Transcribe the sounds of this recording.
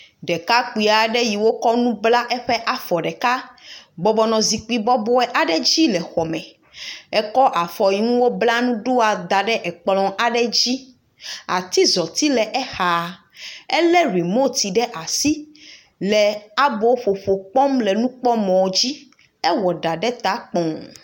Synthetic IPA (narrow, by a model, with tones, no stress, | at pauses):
ɖɛ˨ka˦k͡pi˨a˨ɖɛ˦ji˨wo˦kɔ˦nũ˦bla˦ʔɛ˦ɸɛ˦ʔa˨fɔ˨ɖɛ˨ka˦bɔ˨bɔ˨nɔ̃˨zi˨k͡pi˨˦bɔ˦bɔ˦ɛ˦ʔa˨ɖɛ˦d͡ʑi˦lɛ˨xɔ˨mɛ̃˨ | ɛ˦kɔ˦ʔa˨fɔ˨ji˨˦ŋũ˦wo˦bla˦nũ˦ɖo˦a˨d̪a˨ɖɛ˦ʔɛ˨k͡plɔ̃˨ʔa˨ɖɛ˦d͡ʑi˦ | a̰˨t̪i˦zɔ˨t̪i˦lɛ˨ʔɛ˦xa˨ | ɛ˦lɛ˦ɾi˨mo˦˨t̪i˨ɖɛ˦ʔa˨si˦ | lɛ˨a˦bo˦ɸo˨ɸo˨k͡pɔ˦mlɛ˨nũ˦k͡pɔ˦mɔ̃˨wd͡ʑi˦ | ɛ˦wɔ˨ɖa˨ɖɛ˦t̪a˨˦k͡pɔ̃˨ŋ